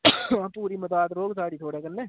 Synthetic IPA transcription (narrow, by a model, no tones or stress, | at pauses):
puːɾimʊt̪aːt̪ɾoːɡs̬aːɽiːt̪ʰoːɽekɐnːeː